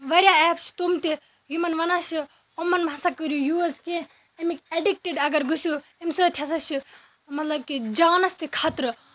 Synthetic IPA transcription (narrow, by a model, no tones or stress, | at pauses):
ʋɐɾʲjaɛːpt͡ʃʰt̪umt̪e | jumɐnʋɐnaʃi | omːɐnbʱɐsɐkɐɾjujuːzkẽ | ɐmikeɖik̚ʈeɖɐɡɐɾɡusuemsəːt̪ʲʰjɐsɐt͡ʃʰi | mɐt̪lɐb̚kid͡ʒaːnɐst̪ikʰaːt̪ɾɨ